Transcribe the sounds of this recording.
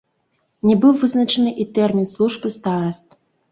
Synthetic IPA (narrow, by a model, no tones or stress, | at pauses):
nʲɛbɨwvɨznɐt͡ʂɐnɨʔit̪ɛrmʲinslˠuʐbɨst̪aɾɐst̪̚